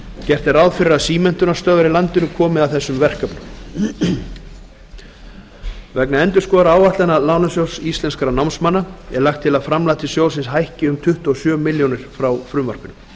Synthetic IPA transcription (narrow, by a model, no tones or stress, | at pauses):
cɛr̥t̪ɛɾawðfɪɾɪɾasiːmɛn̥t̪ʏnast̪œːvaɾɪlant̪ɪnʏkʰɔːmɪðaðθɛsːʏmvɛr̥kapnʏm | vɛknaɛnt̪ʏ̥skɔːðɾaaːwvaht̪lanalaːwnasjowsist̪lɛnskaɾanawnsmanːaɛlaxkt̪ʰːɪlaðfɾamlaːt̪ɪsjoːwsɪnsɦajhcɪʏmt̪ʰʏht̪ɔsjœːmɪljownɪɾ̥fɾawfɾʏːmvar̥pʏnʏm